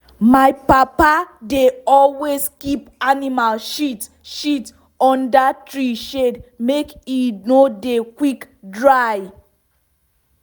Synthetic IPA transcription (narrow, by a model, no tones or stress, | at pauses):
majpapadeɔlwezkipanimalʃit | ʃit | ɔ̃ndatɹiʃedmekinodekwik | dɹaj